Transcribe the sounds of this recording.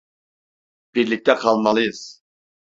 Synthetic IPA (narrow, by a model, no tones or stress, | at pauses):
b̥iɾlɪk̚ʲt̪ʰɛqʰɑlˠmɑlˠɨjɨz̥